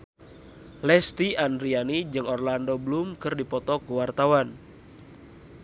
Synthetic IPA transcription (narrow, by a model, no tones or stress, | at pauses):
lɛst̪iandɾianid͡ʒɨŋɔrlandoblumkɨrdipɔt̪ɔkuwart̪awan